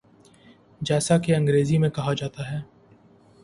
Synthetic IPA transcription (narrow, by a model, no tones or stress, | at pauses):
d͡ʒɛːsakeɐ̃ŋɡɾeːzimẽkɐɦad͡ʒaːt̪aɦɛː